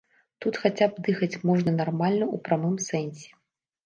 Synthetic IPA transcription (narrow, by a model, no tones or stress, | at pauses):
t̪ut̪xat͡sʲab̚d̪ɨxɐt͡sʲmɔʐnɐnarmalʲnɐupɾamɨmsɛnʲsʲɛ̥